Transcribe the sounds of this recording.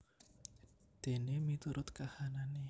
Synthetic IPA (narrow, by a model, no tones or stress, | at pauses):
d̪̥e̤nemit̪uɾʊt̪kahanane